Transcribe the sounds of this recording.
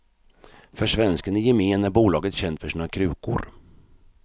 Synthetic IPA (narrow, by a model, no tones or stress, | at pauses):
fœʂvɛnskənɛjɛmeːnæɾbuːlɑːɡət̪ɕɛnt̪fœʂiːnakʰɾʉ̟ːkʊ̰ɾ